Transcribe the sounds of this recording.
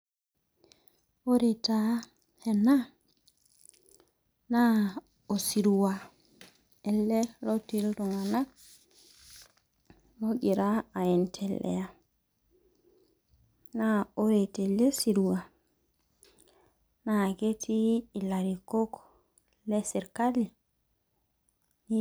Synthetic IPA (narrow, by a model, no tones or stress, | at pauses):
oɾeta | hena | na | osiɾuwa | elːelotilɾoŋana | moɡiɾaajɛntʰɛlːʔɛ̰ja | naoɾetɛlesiɾuwa | naɡetʰiːlaɾikokɔ | lɛsiɾkali | ni